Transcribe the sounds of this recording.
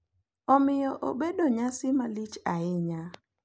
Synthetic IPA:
ɔmɪjɔʔo̰bedoɲasɪmalit͡ʃaɪɲa

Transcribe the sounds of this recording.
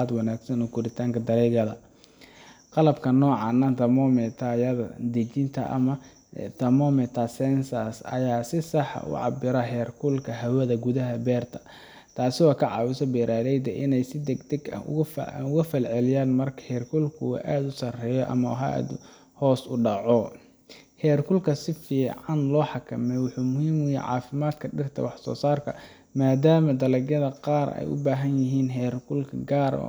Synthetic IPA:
d̪wɑnaːɡsɐnɔkʰʊɾɪt̪ʰaːŋkʰɐd̪ɐɾɛɣɐðɐ | qɑlɐbkʰɐnɔːʕɑːnɐt̪ɐmɔmɛt̪ʰajɐðɐd̪ɛt͡ʃɪnt̪ʰɐʔɐ̰mɐ | t̪ʰɐmɔmɛt̪ʰɐsɛnsɐsɐ̰jaːsɪsɑħʔʊ̰ʕɑ̰bɪɾɐhɛrkʰʊlkʰɐɦɐwɐðɐɡʊðɐɦɐbɛːrt̪ʰɐ̥ | t̪ʰaːsɪɔːkʰɐʕɑːwɪsɔbɛːɾʔaːɾɛjd̪ɐʔɪnɛjsɪd̪ɛɡt̪ʰɛɡʊ̰fʊɣɐfɐlʕɛlɪjaːnmɐrkʰɐ̥hɛrkʰʊlkʰʊw̰ʔaːd̪ʊsɐrɛːjɔʔɐ̰mɐwɦa̰ːd̪ | hɔːsʊɖɑʕɔ | hɛːrkʰʊlkʰɐsɪfiːʕɑnlɔːħɑkʰɐmɛjwɑħuːmʊhiːmjɪjɛ̰jʕɑ̰ːfɪmaːd̪kʰɐɖɪrt̪ʰɐ̰wɑħsɔ̰ːsaːrkʰɐ̰ | maːd̪aːmɐd̪ɐlɐɡjɐðɐqɑːrɛ̰jʔʊ̰baːɦɐnjɪɦiːnɦɛːrkʰʊlkʰɐɡaːɾ̰

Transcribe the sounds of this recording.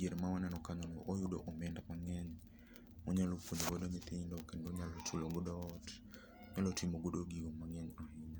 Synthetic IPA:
d͡ʒeɾmawanɛnɔkaɲɔnɔʔojudo̰ʔɔmɛndamaŋɛɲ | mɔɲaloponoɡodomit̪indɔkɛndoɲalɔt͡ʃulɔɡɔdɔt | ɲalɔtimoɡodoɡiɡomaŋɛɲɔhiɲ

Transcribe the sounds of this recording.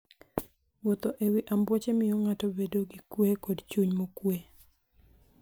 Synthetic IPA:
wɔt̪ɔʔewiʔambwɔt͡ʃemɪjɔŋatɔbedoɡikwekodt͡ʃuɲmokwe

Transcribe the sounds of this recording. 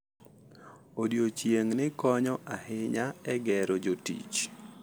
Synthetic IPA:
odjot͡ʃjeŋnɪkɔɲɔʔahɪɲaɛɡɛɾod͡ʒotḭt͡ʃ

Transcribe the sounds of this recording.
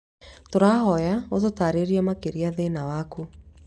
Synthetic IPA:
toɾaɦɔjaototaɾeɾiamakeɾiaðenawaku

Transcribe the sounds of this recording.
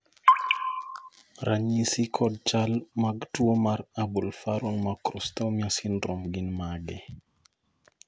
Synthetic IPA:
ɾaɲisikʰɔd̚t͡ʃalmaɡtuomaɾabulfaɾuŋmakɾɔstawmiasindɾɔmɡinmaɡɛ

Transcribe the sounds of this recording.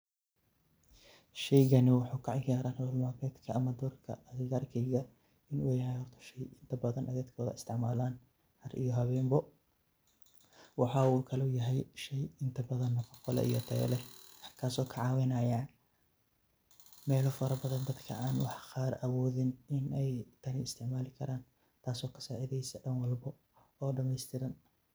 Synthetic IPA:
ʃɛjɣɐnɪwɑħuːkʰɑʕɪɡaːɾaːnhɐlmaːkɛːt̪kʰɐːmɐd̪ɔrkʰɐ̰ɐɣɣaːrkʰɛjɣɐ | ɪnʊːjɐɦɛjhɔrt̪ʰɐ̥ʃɛjɪnt̪ʰɐbɐðɐnʔɐðɛːd̪kʰɔːðɐ̰ɪst̪ʰɪʕmaːlaːn | hɐɾʔḭjɔɦɐβɛːmbɔ | wɑħɑːuːkʰɐlɛjɐɦɛjʃɛjɪnt̪ʰɐbɐðɐnːɐqɔqɔlɛ̰ʔijɔt̪ʰɛ̰ːlɛhɐrkʰaːsɔːkʰɐʕɑːwɪnɐja | mɛːlɔfɐɾɐbɐðɐnd̪ɐd̪kʰɐ̰ʔaːnwɑħqaːɾʔɐwɔːðɪnɪnɛjt̪ʰɐnɪɪst̪ʰɪʕmaːlɪkʰɐɾaːn | t̪ʰaːsɔːkʰɐ̥saːʕɪðɛjsɐɖɐnwɑlbɔ | ɔːɖɐmɛjst̪ʰɪɾɐn

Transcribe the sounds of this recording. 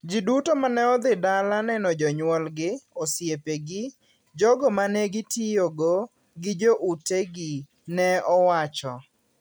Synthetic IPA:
d͡ʒidutomanɛɔd̪ɪdalanɛnɔd͡ʒɔɲwɔlɡɪɔsjepeɡɪ | d͡ʒɔɡɔmanɛɡɪtijoɡo | ɡɪd͡ʒoʔuteɡi | nɛɔwat͡ʃɔ

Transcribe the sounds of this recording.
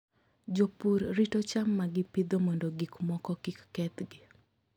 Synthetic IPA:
d͡ʒopuɾɾitot͡ʃamːaɡɪpɪd̪omɔndoɡikmɔkɔkikːɛt̪ɡɪ

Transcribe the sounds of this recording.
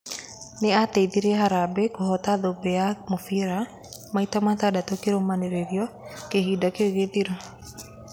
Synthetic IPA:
neatɛiðiɾeɦaɾabɛkoɦɔtaðobɛamofiɾa | maitamat̪adatokeɾomaneɾeɾiɔkeɦiːdakeoɣeðiɾo

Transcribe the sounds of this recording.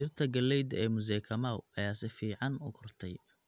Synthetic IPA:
ɪrt̪ʰɐɡɐlɛjd̪ɛːmʊz̬ɛːkʰɐmaːwɐjaːsɪfiːʕɑnʊkʰʊrt̪ʰɛj

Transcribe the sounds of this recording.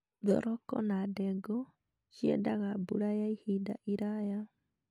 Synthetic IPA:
ðɔ̰ɾɔkɔ̰nadɛɡɔ | ʃiɛdaɣabuɾajaihida̰ʔiɾaja

